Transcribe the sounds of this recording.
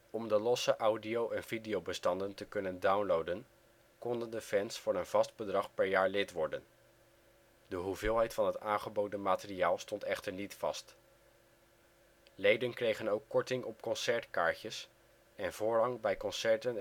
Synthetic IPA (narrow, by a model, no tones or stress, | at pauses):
ɔmdəlɔsəʔʌwdiowʔɛnv̥idijowbəstɑndəntəkɵnəndawnlowdən | kɔndəndəfɛnsfʊːɹənv̥ɑsd̚bədrɑχpɛɹjaːɹlɪtʋɔɹdən | dəɦuvɪːlˠɦɛjtfɑnɦətaːnχəbowdənmaːtəriaːlˠstɔntɛχtəɹnitfɑst | lejdənkrejχənowkːɔɹtɪŋʔɔpkɔnsɛɹtkaːɹcəs | ɛnvʊːɹɦɑŋbɛjkɔnsɛɹtən